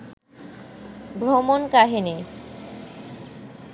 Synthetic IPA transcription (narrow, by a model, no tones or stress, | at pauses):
bɾomonkaɦine